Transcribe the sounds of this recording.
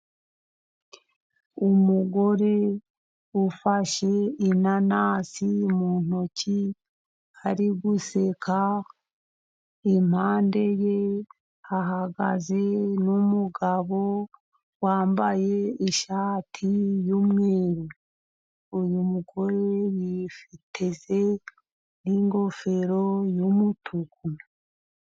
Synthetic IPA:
umuɡo̞ɾe̞ | ufaʃe̞inanaːsimun̥oci | aɾiɡusekʰa | im̥haːnde̞je̞ | aɦaɡa̰ze̞numuɡaβo̞ | waːmbaje̞iʃaːtʰijumŋeːɾi | ujumuɡo̞ɾe̞jifitʰeze | niŋɡo̞fe̞ɾo̞jumutʰuku

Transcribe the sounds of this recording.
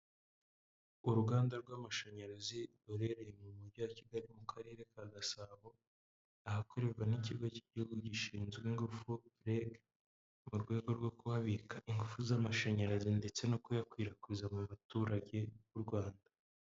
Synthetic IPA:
uɾuɡaːndaɾɡwaːmaʃaɲaɾazi | uɾe̞ɾejemumuɾɟoaciɡaɾimukʰaɾe̞ːɾe̞kaɡasaβo̞ | ahako̞ɾe̞ɾɡaniciɡoci̥ɟihuɡuɟiʃiːnzɡiŋɡufuɾeɡ | muɾɡwe̞ːɡo̞ɾɡo̞kuβaβikʰaʔiŋɡufuzamaʃaɲaɾazinde̞t͡se̞no̞kujakwiːɾakwizamuβatuːɾaɟe̞βuɾɡwaːnda

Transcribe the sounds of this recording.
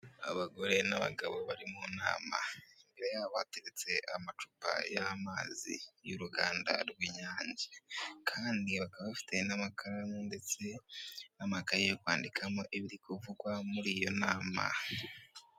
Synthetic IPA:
a̰βaɡo̞ɾe̞naβa̰ɡaβo̞βaɾimuna̰ːma̰imbe̞ɾe̞jaβateɾet͡se̞ʔamat͡ʃupa̰jamaːzḭjuɾuɡaːnda̰ɾɡwiɲaːɲɟekʰaːndiβakaβaβafi̥te̞namakʰaɾamunde̞t͡se̞namakaɾijokwaːndikʰamo̞ʔiβiɾikuvuɡwamuɾiːjo̞naːma̰

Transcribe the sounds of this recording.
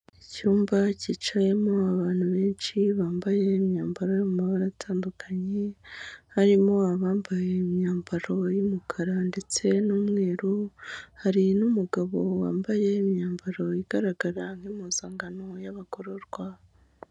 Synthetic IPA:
icuːmbacit͡ʃaje̞mo̞aβaːn̥huβe̞ːnt͡ʃiβaːmbaje̞mɲaːmbaɾojumumaβaɾatʰaːndukʰaɲe̞haɾimo̞aβaːmbajemɲaːmbaɾo̞jumukʰaɾande̞t͡se̞numŋe̞ːɾuhaɾinumuɡaβo̞wa̰ːmbaje̞mɲaːmbaɾo̞iɡ̥aɾaɡaɾaŋhimoz̥aːŋɡanojaβako̞ɾoɾɡwaβ

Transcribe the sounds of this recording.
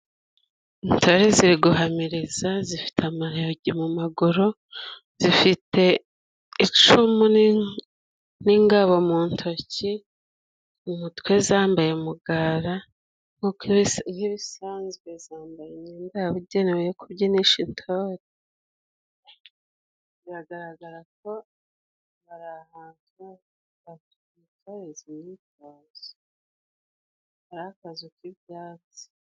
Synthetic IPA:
intʰo̞ɾeziɾiɡuɦamiɾizazifi̥tʰamaɾeɟimumaɡuɾo̞ | z̥ifitʰe̞ | it͡ʃumu | niŋɡaβo̞muːntʰo̞ci | umutwe̞zaːmbaje̞muɡaːɾa | ŋukhiβisaːnzɡwe̞zaːmbajemɲeːndaaβuɟenewejekʰuβɟeniʃintʰoɾe | ziɾaɡaɾaɡaɾako̞ | βaɾahaːntuwa | atuitoɾezinitaːzi | βaɾaakazukiβjaːzi̥

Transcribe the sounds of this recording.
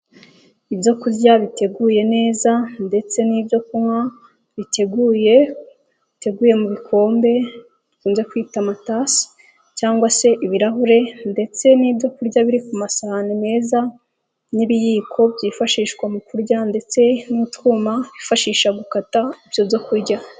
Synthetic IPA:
ibjo̞kuɾɟaβite̞ɡuːje̞ne̞ːzande̞t͡se̞niːbjo̞kumŋwa | βitʰe̞ɡuːje̞ | βite̞ɡuːje̞muβikʰo̞ːmbe̞ | βikuːnze̞kwiːtamatas | caːŋɡwase̞ʔiβiɾaɦuɾe̞nde̞t͡se̞niːbjo̞kuɾɟaβiɾikumasanine̞ːza | niβijiːkʰo̞bɟiːfaʃiːʃkwamukuɾɟande̞t͡se̞nutkuːmaβifaʃiːʃaɡukataibjo̞bjo̞kuɾɟa

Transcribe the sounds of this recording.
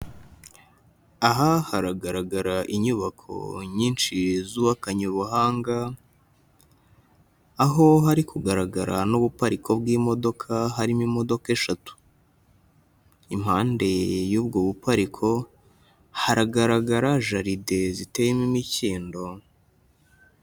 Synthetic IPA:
aɦahaɾaɡaɾaɡaɾaʔiɲuβakʰo̞̰ɲiːnʃizuːβakaɲuβuhaːŋɡa | ɦo̞ɦaɾikʰuɡaɾaɡaɾanoβupaɾikʰo̞bɡiːmo̞do̞kʰaɦaɾimimo̞do̞keʃatu̥ | im̥haːnde̞juːbɡoβupaɾikʰo̞ | haɾaɡaɾaɡaɾaʒaɾide̞zite̞jemimiciːndo̞

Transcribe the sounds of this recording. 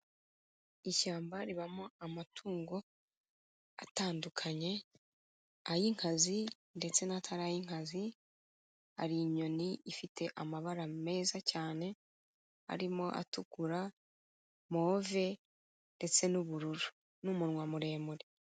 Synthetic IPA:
iʃaːmbaɾiβamoamatʰuːŋɡo̞ | a̰taːndukʰaɲe̞ | ajiŋ̥hazi | nde̞t͡se̞natʰaɾajiŋ̥hazi | a̰ɾiɲo̞niʔifitʰe̞ʔamaβaɾame̞ːzacaːne̞ | a̰ɾimo̞ʔa̰tuɡuɾa | moːve̞ | nde̞t͡se̞nuβuɾuɾu | numuɾŋwamuɾe̞ːmuɾe

